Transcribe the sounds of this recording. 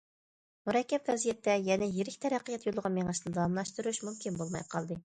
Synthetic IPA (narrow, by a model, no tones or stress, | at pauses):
muɾɛkʲːɛpvɛzijɛt̪ʰːɛjɛnɛjeɾɪkʲt̪ʰɛɾæqːijɛt̪ʰjolˠəʁɑnmeŋɨʃt̪d̪ɑɑmlˠɑʃt̪uɾuʃmumkʲʰinbolˠmɑ̰jqʰɑlˠd̪ɨ